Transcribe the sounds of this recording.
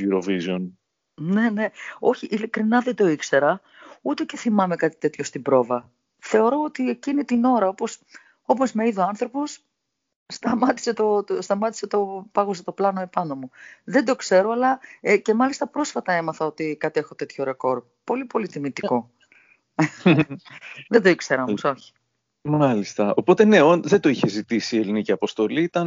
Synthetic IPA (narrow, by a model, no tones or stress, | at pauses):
uɾovizon | ne̞ne̞o̞çiʔilikɾinɐðe̞d̪o̞ikse̞ɾɐ | ut̪ece̞θimɐme̞kɐt̪i̥t̪e̞t̪ço̞st̪ibɾo̞vɐ | θe̞o̞ɾo̞ot̪ie̞cinit̪ino̞ɾɐo̞po̞s | o̞po̞zmeiðoɐnθɾo̞po̞sː | t̪ɐmɐt̪i̥se̞t̪ost̪ɐmɐt̪i̥se̞t̪o̞pɐɣoset̪o̞plɐnoepɐno̞muðe̞nd̪o̞kse̞ɾoɐlɐece̞mɐlist̪ɐpɾo̞sfɐt̪ɐe̞mɐθɐo̞t̪ikɐt̪ie̞xo̞t̪e̞t̪ço̞ɾe̞ko̞ɾ | po̞lipo̞lit̪imit̪iko̞ | ðed̪oikseɾɐmuso̞çi̥ | mɐlist̪ɐo̞po̞t̪e̞ne̞onðed̪o̞içe̞zit̪isieliniciɐpo̞st̪o̞liit̪ɐn